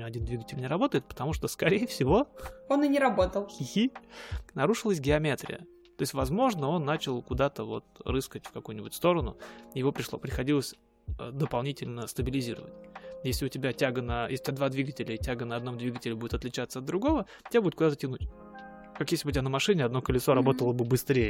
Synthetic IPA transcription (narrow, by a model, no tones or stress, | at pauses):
ɐdʲind̪vʲiɡətʲɪlʲnʲɪɾɐbo̞t̪əjɪt̪̚pə̥t̪ɐmuʂt̪o̞skɐɾʲejəfsʲɪvo̞onɨnʲɪɾɐbo̞t̪əlˠʲxʲinɐɾuʂɨlˠəs̬ʲɡʲɪɐmʲet̪ɾʲɪ̰jə̰ | t̪o̞ɪsʲtʲvɐzmo̞ʐnəo̞nːat͡ɕɪlˠkʊd̪at̪əvo̞̰t̪rɨskətʲfkɐkujʊnʲɪbʊtʲst̪o̞ɾənʊjɪvo̞pɾʲɪʂlˠo̰pɾʲɪxɐdʲilˠəsʲ | əd̪əpɐlˠnʲitʲɪlʲnəst̪əbʲɪlʲɪzʲiɾə̰və̰tʲjesʲlʲɪʊtʲɪbʲatʲaɡənəjesʲʊbʲad̪vad̪vʲiɡətʲɪlʲətʲaɡənəɐd̪no̞md̪vʲiɡətʲɪlʲɪbudʲɪt̪ɐt̪lʲɪt͡ɕat̪səɐd̪̚d̪ɾʊɡo̞və | tʲɪbʲabud̪ʲʊɪt̪kʊd̪at̪ətʲɪnutʲ | kakjesʲlʲbʊtʲbʲanəmɐʂɨnʲɪɐd̪no̞kəlʲɪso̞ɾɐbo̞t̪əlˠəbɨbɨst̪ɾʲejə